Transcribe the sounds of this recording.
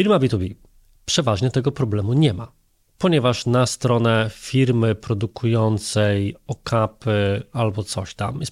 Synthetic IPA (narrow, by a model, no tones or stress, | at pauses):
fiɾmabʲit̪ubʲi | pʂɛvaʐɲɛt̪ɛɡɔpɾɔblɛmuɲɛma̰ | pɔɲɛvaʂnast̪ɾɔnɛfʲiɾmɘpɾɔd̪ukujɔnt̪sɛjɔkʰapɘalbɔt̪sɔɕt̪a̰mjɛs